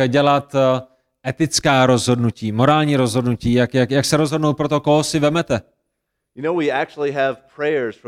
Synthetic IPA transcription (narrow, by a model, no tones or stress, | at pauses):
ɟɛlat̪ | ʔɛt̪ɪt͡skaːɾo̞zɦo̞dnuciːmo̞ɾaːlɲiːɾo̞zɦo̞dnuciːjakjakjaksɛɾo̞zɦodnow̪pɾo̞t̪okoɦosɪvɛmɛt̪ɛ | jɨnoʊwiæk̚t͡ʃul̩ˠiɨv̥pʰɹ̥ɛɹz̥f